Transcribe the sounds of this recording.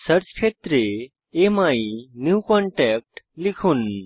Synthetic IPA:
səɾt͡skʰet̪ɾe | emainjukɔɳʈɛk̚ʈlikʰuːn

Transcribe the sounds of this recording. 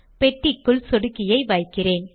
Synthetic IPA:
pɛʈːɪkːʊɭsɔɽɯkːɪjɐɪʋɐjkːɪreːn

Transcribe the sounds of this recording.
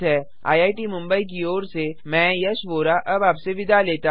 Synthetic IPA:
ɦɛː | a̰ːjaːiʈimʊ̃mbəik̬ioːɾsemɛ̃ːjɐʃʋoːɾaʔɐbaːpseʋɪd̪aleːt̪a

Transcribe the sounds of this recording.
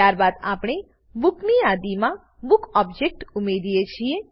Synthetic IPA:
aɾbad̪apɽ̃e | bukniad̪imã | bukɔb̚d͡ʒek̚ʈumeɾijet͡ʃʰie

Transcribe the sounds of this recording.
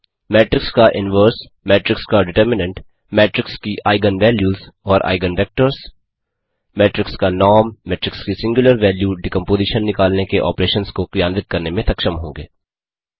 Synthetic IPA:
mɛːʈɾɪkskaʔɪnʋəːɾs | mɛːʈɾɪkskaɖɪʈəɾmɪnə̃ɳʈ | mɛːʈɾɪkskiʔaːɪɡənʋɛːljuːzɔːɾʔa̰ːɪɡənʋɛːk̚ʈəɾs | mɛːʈɾɪkskanɔːɾmːɛːʈɾɪkskisɪ̃ŋɡjʊləɾʋɛːljuɖɪkə̃mpoːziːʃənːɪkaːlnekeʔɔ̰ːpɾeːʃənskokjãːnd̪ɪt̪̚kɐɾnemẽt̪ɐkʃəmɦõ̰ːŋɡḛː

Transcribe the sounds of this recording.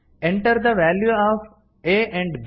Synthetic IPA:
ɛ̃ɳʈəɾd̪əʋɛːljuɔv | eʔɛ̃ɳɖb

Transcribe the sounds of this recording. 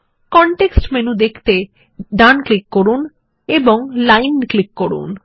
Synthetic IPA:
kɔɳʈeksʈmenud̪ekʰt̪e | ɖanklikːoɾun | eboŋlajnklikːoɾṵn

